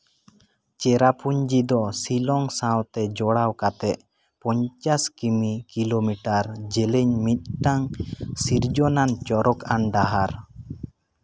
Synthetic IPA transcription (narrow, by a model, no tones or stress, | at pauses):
t͡ʃɛɾapuɲd͡ʒid̪ɔsilɔŋsãwt̪ɛd͡ʒɔɽawkat̪ɛʔ̚ | pɔɲt͡ʃaskimikilomiʈaɾd͡ʒɛliɲmit̪̚ʈaŋsiɾd͡ʒɔnant͡ʃɔɾɔkanɖaɦaɾ